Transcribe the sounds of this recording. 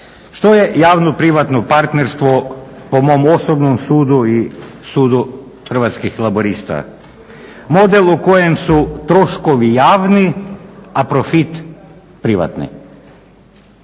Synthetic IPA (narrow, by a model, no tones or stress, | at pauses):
ʃt̪oje̞jaːʋnopɾiʋat̪nopaɾt̪neɾst̪ʋo | po̞mo̞mo̞sobnomsuːd̪ui | suːd̪u | xr̩ʋat̪skixlˠaboɾist̪a̰ | mo̞d̪e̞lˠuko̞je̞msut̪ɾo̞ʃkoʋijaːʋni | apɾo̞fit̪ | pɾiʋa̰t̪nḭ